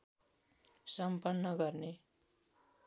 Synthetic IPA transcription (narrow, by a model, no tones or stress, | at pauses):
sʌmpʌnːʌɡʌrne